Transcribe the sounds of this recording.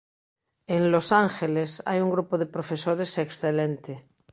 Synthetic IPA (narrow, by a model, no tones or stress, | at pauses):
enlosaŋxelesa̰juŋɡɾupoðepɾofesoɾeseksθelent̪e